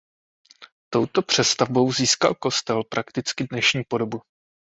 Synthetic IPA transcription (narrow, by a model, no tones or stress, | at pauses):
t̪o̞wt̪o̞pr̝̥ɛst̪avbo̞wziːska̰lko̞st̪ɛlpɾʔakt̪ɪt͡skɪdnɛʃɲiːpo̞do̞bu